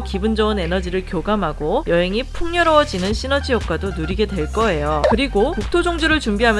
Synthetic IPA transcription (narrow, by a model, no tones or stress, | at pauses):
kibund͡ʑʌɯne̞nʌd͡ʑiɾɯɭkjoɡamɦaɡojʌɦe̞ŋipʰuŋɲʌɾʌwʌd͡ʑinɯnɕʰinʌd͡ʑijʌp̚k͈wadonuɾiɡe̞dwe̞ɭk͈ʌe̞jokɯɾiɡokuk̚tʰod͡ʑoŋd͡ʑuɾɯɭt͡ɕumbiɦamj